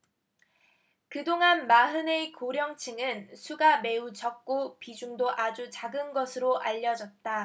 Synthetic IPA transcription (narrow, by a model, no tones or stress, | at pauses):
kɯdoŋanmaɦɯneikoɾjʌŋt͡ɕʰɯŋɯnsʰuɡame̞ut͡ɕʌk̚k͈opid͡ʑuŋdoʔad͡ʑut͡ɕaɡɯnɡʌsʰɯɾoʔaʎːʌd͡ʑʌt̚t͈a